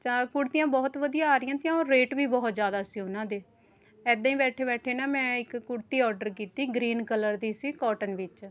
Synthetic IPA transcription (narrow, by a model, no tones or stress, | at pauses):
t͡ʃaːkʊɽt̪ɪjãːbɔːt̪ʋəd̪ijaːaːɾɪjãːt̪jãːoːɾːeːʈʋiːbɔːt̪zjaːd̪aːsiːʊnãːd̪eː | ɛːd̪ãːĩːbɛːʈʰeːbɛːʈʰeːnaːmɛ̃ːɪkːʊɽt̪iːɔːɾɖəɾkiːt̪iːɡɾiːnkələɾd̪iːsiːkɔːʈənʋɪt͡ʃ